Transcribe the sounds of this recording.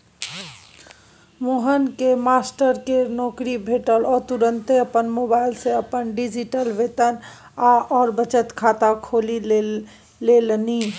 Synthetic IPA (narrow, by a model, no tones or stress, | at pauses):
moːɦənkemaːsʈəɾkenɔːkɾibʱeːʈəlɔːɾt̪uɾə̃nt̪eɐpənmoːbaːɪlseəpənɖid͡ʒiʈəlʋeːt̪ən | aʔɔːɾbət͡ʃət̪kʰaːt̪akʰoːli | leːlni